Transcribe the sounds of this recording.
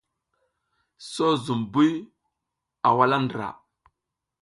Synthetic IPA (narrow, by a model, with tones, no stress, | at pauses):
so˦zu˨mbu˦j | a˨wa˦la˦ndɾa̰˨